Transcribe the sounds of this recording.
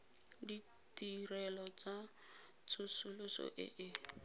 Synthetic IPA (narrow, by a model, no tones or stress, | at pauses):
di | tirɛlɔt͡sa | t͡sʰʊsʊlʊsɔ̰ʔɪ̰ʔɪ